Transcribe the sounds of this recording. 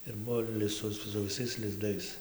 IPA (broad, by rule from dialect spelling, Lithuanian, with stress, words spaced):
ɪr ˈbʊʋoː lʲɪ ˈsʊ sʊ ʋʲɪˈsɐɪs lʲɪzˈdɐɪs